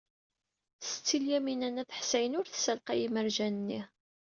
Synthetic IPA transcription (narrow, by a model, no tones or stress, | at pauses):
st͡sːiljæminænæθə̥ħsæjənʊɾθsælqæjiməɾʒænnːi